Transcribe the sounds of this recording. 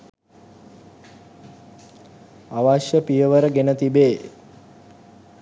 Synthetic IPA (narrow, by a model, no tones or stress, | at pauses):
aʋaʃjəpijəʋəɾəɡenət̪ibeː